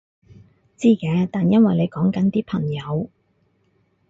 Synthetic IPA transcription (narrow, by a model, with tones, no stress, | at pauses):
t͡siː˥kɛː˨˧˦t̪aː˨njɐ˥nwɐ˨jne˨˧jkɔː˨˥ŋkɐ˨˥nt̪iː˥pʰɐ˨˩ŋjɐ˨˧w